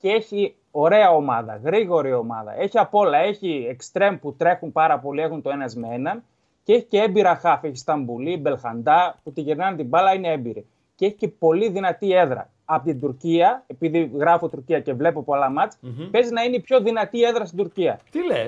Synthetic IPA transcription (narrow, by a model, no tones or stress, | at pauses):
cee̞çi | o̞ɾe̞ɐo̞mɐðɐ̰ɣɾiɣo̞ɾio̞mɐ̰ðɐ̰ʔe̞çiɐpo̞lɐe̞çiekst̪ɾe̞mput̪ɾe̞xunpɐɾɐpo̞lie̞xunt̪oe̞nɐzmee̞nɐn | cee̞çi̥ceembiɾɐxɐfeçist̪ɐmbulibe̞lxɐnd̪ɐput̪iʝeɾnɐnt̪ibɐlɐine̞embiɾi | cee̞çice̞po̞liðinɐt̪ie̞ðɾɐ̰ | ɐpot̪id̪uɾciɐe̞piðiɣɾɐfo̞t̪uɾciɐce̞vle̞popolɐmɐt͡spe̞znɐineipço̞ðinɐt̪ie̞ðɾɐst̪id̪uɾciɐt̪ile